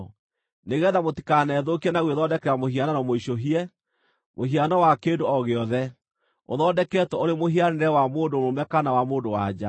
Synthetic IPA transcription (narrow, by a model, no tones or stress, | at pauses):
neɣɛːðamoti̥kanɛːðokiɛnaɣweðɔdɛkɛɾamohiananɔmoiʃoɦiɛ | moɦianɔwakeːndoɔɣeɔðɛ | o̰ðɔdɛkɛtwɛoɾemoɦianeɾɛwamoːndomomɛkanawamoːndowa̰d͡ʑa